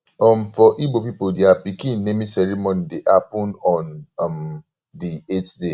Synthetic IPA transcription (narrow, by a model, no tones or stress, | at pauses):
ɔmfɔʔibopipodeapikĩnːemĩsɛɹimɔ̃nideʔapũnɔ̃nm | dietde